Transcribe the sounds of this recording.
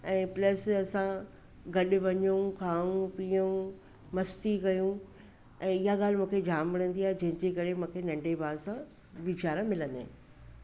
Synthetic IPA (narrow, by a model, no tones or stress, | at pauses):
ɛ̃ːplɐsɐsã | ɡɐɗʊʋɐɲukʰaːũpiːu | mɐst̪ikɐjũ | ɛ̃ːɪɦaɠaːl̤mũːkʰed͡ʑʱaːmʋɐɽ̃ə̃nd̪iaːɦed͡ʑɐ̃ɦɪ̃ɲd͡ʑekɐɾemũːkʰenɐ̃ɳɖebaːɾsã | ʋɪt͡ɕaːɾãmɪlə̃nd̪ḛ